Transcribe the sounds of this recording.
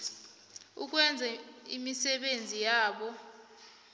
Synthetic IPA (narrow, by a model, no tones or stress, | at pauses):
uk̬wɛnd͡zʱaimisɛɓend͡zʱijaːɓɔ